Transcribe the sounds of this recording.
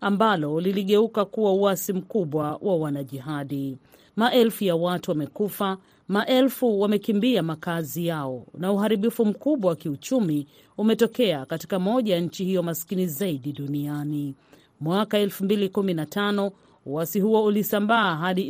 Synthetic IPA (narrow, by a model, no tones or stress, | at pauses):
ambalɔliliɠɛukakuwauasim̩kuɓwawʔawanaʄiɦaɗi | maʔɛlfujawatuwamɛkufa | maʔɛlfuwamɛkimbiamakazijaɔnauɦaɾiɓifum̩kuɓwawakiut͡ʃumi | umɛtɔkɛakatikamɔʄajaɲ̩t͡ʃihijɔmaskinizaiɗiɗuniani | mwakaɛlfumbilikuminatʰanɔ | uasiɦuɔulisambaːɦaɗi